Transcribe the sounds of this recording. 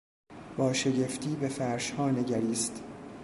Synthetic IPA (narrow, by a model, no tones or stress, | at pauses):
b̥ɒːʃe̞ɟe̞ft̪ʰiːbefæɾʃhɒːne̞ɟæɾiːst̪